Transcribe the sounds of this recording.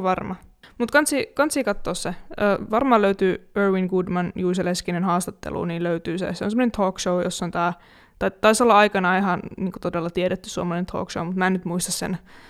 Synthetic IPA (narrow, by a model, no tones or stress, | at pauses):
ʋɑrmɑmut̪kɑnt̪siːkɑnt̪siːkɑt̪ːoːsseəːʋɑrmɑːløyt̪yːørʋiŋɡudmɑnjuːseleskinenhɑːst̪ɑt̪ːḛlṵːniːlløyt̪yːsḛseonsemːonent̪ʰoːkʃoujosːont̪æː | t̪ɑit̪ːɑisolːɑɑikɑnɑːihɑnniːŋko̥t̪odelːɑt̪ieɾet̪ːyssuomɑlɑnent̪ʰo̰ːkʃoumut̪mæːnyt̪muist̪ɑssḛn